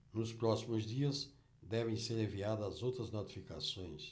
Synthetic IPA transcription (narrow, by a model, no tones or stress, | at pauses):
nʊspɾɔsimʊzd̪iɐz | d̪ɛvẽj̃seɾẽviaðɐzowt̪ɾɐznot̪i̥fika̰sõj̃s